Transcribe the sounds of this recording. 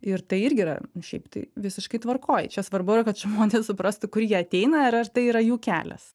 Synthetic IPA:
ɪrt̪ɐɪɪɾʲɡʲɪːɾɐ̰nʊʃʲɛ̰ɪpt̪ɐɪʋʲɪsʲɪʃkɐɪt̪ʋɐrkoːjt͡ʃʲɛsʋɐrbʊɪɾɐkɐt̪ʒmoːnʲeːssʊpɾɐst̪ʊkʊɾjiɛɐt̪ʲɛɪnɐɐɾɐrt̪ɐɪiɾɐjuːkʲæ̰ːlʲɛ̰s

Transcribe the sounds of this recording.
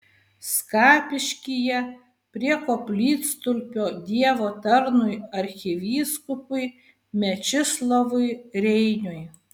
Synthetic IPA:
skɑːpʲɪʃʲkʲijɛ | pʲɾʲiɛkoːpʲlʲiːt̪st̪ʊlʲpʲoːd̪ʲiɛʋoːt̪ɐɾnʊjɐɾʲxʲɪʋʲiːskʊpʊɪ | mʲɛt͡ʃʲɪslˠoʋʊɪɾʲɛɪnʲʊj

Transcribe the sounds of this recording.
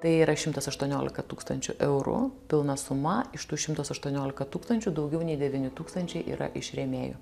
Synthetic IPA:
t̪ɐɪiːɾɐʃʲɪmt̪ɐsɐʃt̪uɔnʲoːlʲɪ̰kɐt̪uːkst̪ɐnʲt͡ʃʲʊ̰ʔɛʊɾʊ̰pʲɪlˠnɐsʊmɐɪʃt̪uːʃʲɪmt̪ɐsɐʃt̪uɔnʲoːlʲɪkɐt̪uːkst̪ɐnʲt͡ʃʲʊd̪ɒʊɡʲɛʊnʲɛɪd̪ʲɛʋʲɪnʲɪt̪uːkst̪ɐnʲt͡ʃʲɛɪʔḭːɾɐ̰ʔɪʃɾʲɛmʲeːjo̰ː

